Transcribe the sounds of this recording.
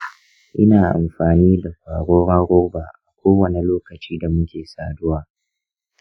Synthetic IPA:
ʔɪ˦naː˨ʔa̰˨mɸaː˨niː˦da˨ɸaː˨ɽoː˦ɾa˦ɾʊ˦rbaː˨ʔa˨kʷoː˦wɐ˨ni˨loː˦kɐ˨t͡ʃiː˦da˨mʊ˦kʲeː˨saː˨dʊ˦waː˨

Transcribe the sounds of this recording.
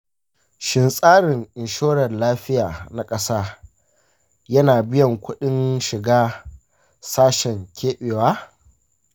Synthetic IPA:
ʃɪ˦nsʼaː˦ɽɪ˨ŋʔɪ˨nʃoː˦ɽɐ˨rlaː˦ɸɪ˦jaː˨na˨kʼɐ˦saː˦ | jɐ˦naː˨bɪ˦jɐ˨ŋkʷʊ˦ɗɪ˦nʃɪ˨ɡaː˦ | saː˦ʃɛ˨ŋkʲʰeː˦ɓeː˨waː˦

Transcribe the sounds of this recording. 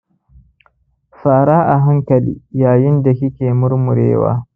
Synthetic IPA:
faː˨ɾaː˦ʔa˨ɦa˦ŋkɐ˨lḭː˨jaː˨jɪ˦nda˨kɪ˦kʲeː˨mʊ˦ɾmʊ˨ɾḛː˦wa̰ː˦

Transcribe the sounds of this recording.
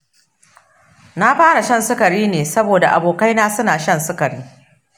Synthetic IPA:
na˦ɸaː˦ɽa˨ʃɐ˦˨nsʊ˦kɐ˨ɽiː˦neː˨sɐ˦boː˨da˨ʔa̰˨boː˨ka˦jnaː˦sʊ˦naː˨ʃɐ˦˨nsʊ˦kɐ˨ɽiː˦

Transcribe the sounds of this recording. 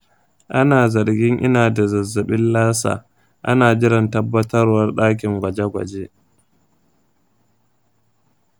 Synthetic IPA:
ʔa˦naː˨zɐ˨ɾɡʲɪ˦ŋʔɪ̰˦naː˨da˨zɐ˨zːɐ˨ɓɪ˦nlaː˦sa̰ː˨ | ʔa̰˦naː˨d͡ʒʲɪ˦ɽɪ˨ntɐ˦bːɐ˦tɐ˦rwɐ˦rɗaː˦k̬ʲɪ˨ŋɡʷɐ˨d͡ʒe˦ɡʷɐ̰˨d͡ʒe˦

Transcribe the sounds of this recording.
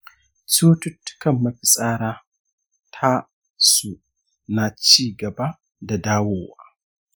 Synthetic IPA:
t͡su˦tu˦tːkɐ˦˨mːɐ˨ɸi˨sʼaː˦ɾa˦ | tʰa˦ | su˨ | na˨t͡ʃiː˦ɡɐ˨ba˦ | da˨daː˦wo˦˨wa̰˨

